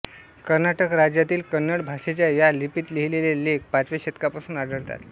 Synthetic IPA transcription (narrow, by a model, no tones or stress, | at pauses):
kəɾnaʈəkɾad͡ʑjat̪iːlkənːəɽbʱaʂet͡ɕjajalipiːt̪leɦilelelek̚pat͡sʋeɕet̪kapasuːnaɽʱəɽt̪a̰t̪